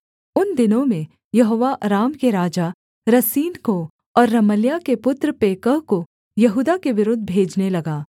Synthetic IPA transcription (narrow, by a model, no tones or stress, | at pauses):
ʊnd̪ɪnõmẽ | jɐɦoːʋaɾaːmkeɾaːd͡ʒa | ɾɐsiːnko | ɔːɾːɐməljakepʊt̪ɾəpeːkəɦko | jɐɦuːd̪akeʋɪɾʊd̪ʱbʱeːd͡ʒnelɐɡaː